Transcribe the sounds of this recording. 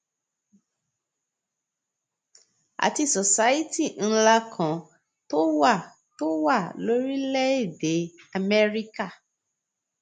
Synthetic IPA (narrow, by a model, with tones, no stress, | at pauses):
a̰˨ti˧so˨sa˦i˦ti˦˨n̩˦˧˦la˧kʰã˨ | to˦wa˦˨ | to˦wa˦˨lo˨˦ɾi˦lɛ˦i˦˨de˨˦ | a˧mɛ˦ɾi˦ka˦˨